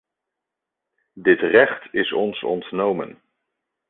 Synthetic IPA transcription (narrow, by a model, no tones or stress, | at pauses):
dɪtrɛχtɪsɔnsɔ̰ntnowmə̰n